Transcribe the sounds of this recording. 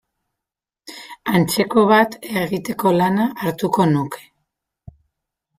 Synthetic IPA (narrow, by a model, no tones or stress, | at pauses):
ant͡se̞ko̞β̞at̪eɣit̪e̞ko̞lanaʔːɾt̪uko̞nuke̞̥